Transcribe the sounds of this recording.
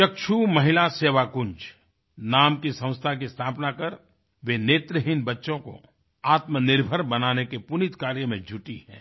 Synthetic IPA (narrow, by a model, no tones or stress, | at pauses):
ʃɐkʃʰumɐɦɪlaseːʋakʊnd͡ʒ | naːmkisɐ̃w̃st̪ʰak̬ist̪ʰaːpnakɐɾ | ʋeneːt̪ɾəɦɪnbɐtːʃõko̰ | aːt̪mənɪɾbʱəɾbɐnaːnekepʊnɪt̪kaːɾjəmẽd͡ʒʱʊʈiɦɛ̰̃ː